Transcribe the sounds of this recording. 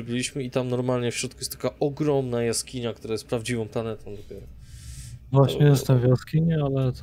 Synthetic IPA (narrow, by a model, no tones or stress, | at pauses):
ɔbʲilʲiɕmɘit̪amnɔɾmalɲɛfɕɾɔt̪̚kujɛst̪ḁkaɔɡɾɔmnajaskʲiɲakt̪uɾajɛst̪̚pɾavd͡ʑivɔ̃m̃planɛt̪ɔ̃w̃d̪ɔpʲjɛɾɔ | vwaɕɲɛjɛst̪avʲjaskʲiɲɛalɛt̪